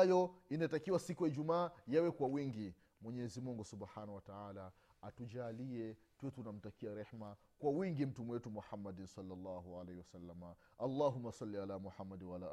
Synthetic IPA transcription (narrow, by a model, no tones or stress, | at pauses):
ajɔinatakiwasikujaid͡ʒumaːjawɛkwawiŋɡi | mwɛɲɛzimuŋɡusubħanawataʕaːla | atud͡ʒaliɛ | tuɛtunam̩takiaɾɛħma | kwawiŋɡim̩tumwɛtumuħamːadinsɑlːalːaɦuʕalehiwasalːama | ʔalːaːɦumːasalːialamɔħamːadnwaalaːʔ